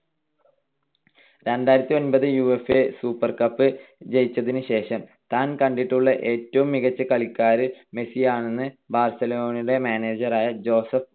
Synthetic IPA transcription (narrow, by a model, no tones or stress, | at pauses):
ɾenɖaːjiɾɐt̪ːio̞nbɐðɨjuːefe̞suːpːɐrkɐpːɨd͡ʑe̞jit͡ɕːɐðinɨɕe̞ːʂɐm | t̪aːnkɐɳɖiʈːuɭːɐʔe̞ːtːɐʋumːiɣɐt͡ɕːɐkɐɭikːaːɾɨme̞sijaːɳe̞nːɨ | baːrsɐlo̞ːnɐiɽe̞maːne̞ːd͡ʑɐraːjɐd͡ʑo̞ːsɐf